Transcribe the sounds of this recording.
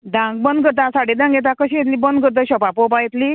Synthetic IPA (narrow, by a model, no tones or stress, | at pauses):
d̪ãŋɡ̚bənd̪̚ɡəɾt̪ãsaɽed̪ãŋɡet̪akəɕijet̪liːbənd̪ɡəɾt̪̬əɕɔpapɔpajet̪liː